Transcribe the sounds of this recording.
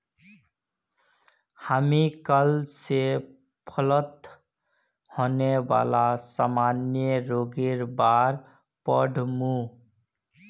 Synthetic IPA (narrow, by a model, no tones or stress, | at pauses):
hamikəlse | pʰələt̪ | honeba̰lasamanjəɾoɡeɾbaɾ | pəɖʱmu